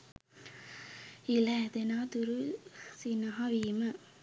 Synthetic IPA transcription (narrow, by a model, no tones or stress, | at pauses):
ilaːd̪enaːt̪uɾusinaɦaʋiːmɐ